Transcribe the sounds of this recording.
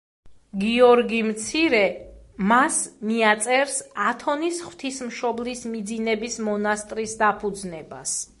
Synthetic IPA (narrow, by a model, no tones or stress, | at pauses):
ɡiɔɾɡimt̪sʰiɾɛ | masmiat̪sʼɛɾsat̪ʰɔnisχw̥t̪ʰismʃɔblismid̪zinɛbismɔnast̪ʼɾisd̪apʰud̪znɛba̰s